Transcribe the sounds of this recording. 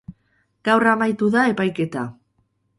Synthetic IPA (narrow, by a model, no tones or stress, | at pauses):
ɡ̥awramajt̪uðae̞pajke̞t̪a